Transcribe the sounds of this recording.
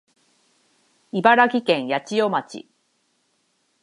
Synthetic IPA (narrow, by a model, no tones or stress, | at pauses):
ibaɾakʲikẽ̞ɰ̃jat͡ɕijomat͡ɕḭ